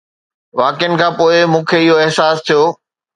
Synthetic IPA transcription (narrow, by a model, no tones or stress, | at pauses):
ʋaːkɪjənɪ̆kʰãːpoːɪmũːkʰeɪɦoɪɦsaːst̪ʰijoː